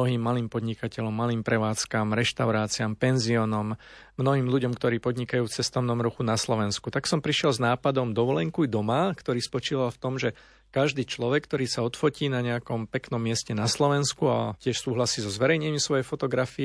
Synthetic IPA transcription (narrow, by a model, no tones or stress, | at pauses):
ɔɦiːmːaliːmpɔd̪ɲikacɛʎɔmːaliːmpɾɛʋaːt͡skamɾɛʃt̪aʊɾaːt͡siampɛnziɔnɔmmnɔɦiːmluɟɔmkt̪ɔɾiːpɔd̪ɲikajuːt͡sɛst̪ɔʊnɔmɾuxunaslɔʋɛnskut̪aksɔmpɾiʃɪɛlznaːpad̪ɔmd̪ɔʋɔlɛŋkujd̪ɔmakt̪ɔɾiːspɔt͡ʃiːʋalft̪ɔmʒɛ | kaʒd̪iːt͡ʃlɔʋɛkːt̪ɔɾiːsaɔt̪fɔciːnaɲɛakɔmpɛknɔmːɪɛscɛnaslɔʋɛnskua̰cɪɛʃsuːɦlasiːzɔzʋɛɾɛjɲɛmisʋɔjɛjfɔt̪ɔɡɾafi